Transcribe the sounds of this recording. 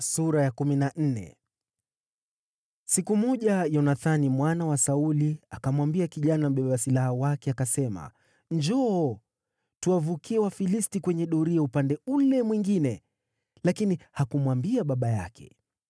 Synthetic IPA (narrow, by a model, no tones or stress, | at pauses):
suɾajakuminan̩nɛ̰ | sikumɔʄajɔnaθanimwanawasauliakamwambiakiʄanam̩ɓɛɓasilahawakɛakasɛma̰ | ɲd͡ʒɔː | tuwavukiɛwafilistikwɛɲɛɗɔɾiaupandɛulɛmwiŋɡinɛ | lakinihakumwambiaɓaɓaja̰kʰɛ̰